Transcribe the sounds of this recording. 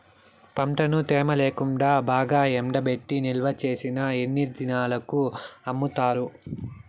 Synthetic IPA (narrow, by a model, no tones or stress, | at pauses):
pɐmʈɐnut̪ɛːmɐleːkuɳɖaːbaːɡaːemɖɐbe̞ʈːinilʋɐt͡ʃe̞ːsinɐenːiɾd̪inaːlɐkuɐmːut̪aːɾu